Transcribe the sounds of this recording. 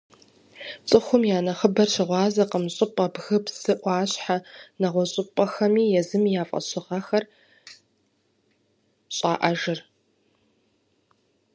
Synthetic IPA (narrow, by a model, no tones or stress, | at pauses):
t͡sʼɨxʷʊmjaːnɐχəbɐrʃɐʁʷɑːzɐqəmɕʼɪpʼɐbɣɨpsɨʔʷɑːɕħanɐʁʷɔɕʼɪpʼɐxɐmiːjɛzɨmijaːfʼɐ̰ɕɪʁɐxɐr | ɕʼaːʔɐʒɨr